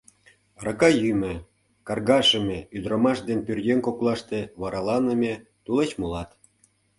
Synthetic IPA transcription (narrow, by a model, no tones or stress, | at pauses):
rɑkɑjymĕ | kɑrɣɑʃə̆mʲeyd̪ɾomɑʃd̪enpʲyrjʲenkoklˠɑʃt̪ĕβɑɾɑlɑnə̆mʲĕt̪ulet͡ɕmulɑt̪